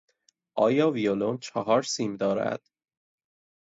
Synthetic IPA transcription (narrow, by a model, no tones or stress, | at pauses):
ʔɒːjɒːviolont͡ʃʰɒɦɒːɾsiːmd̪ɒːɾæ̰d̪̥